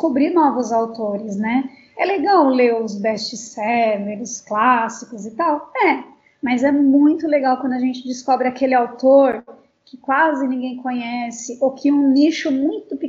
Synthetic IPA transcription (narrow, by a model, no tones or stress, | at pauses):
kobɾiɾnɔvʊzawt̪oɾɪznɛ | ɛleɡawleɾʊzbɛst͡ʃɪsɛveɾʊsklasikʊzɪt̪awɛ | mɐzɛmũj̃t̪ʊleɡawkwɐ̃nd̪ʊɐʒẽnt͡ʃɪd͡ʒɪskɔbɾɪakelɪawt̪oɾ | kɪkwazɪnĩɡẽj̃kõɲɛsɪʔokɪũniʃʊmũj̃t̪ʊpi